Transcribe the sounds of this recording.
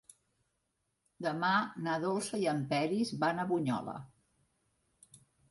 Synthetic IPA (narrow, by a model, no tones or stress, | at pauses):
d̪əmanaðolˠsəjəmpɛɾizβanəβuɲɔ̰lə̰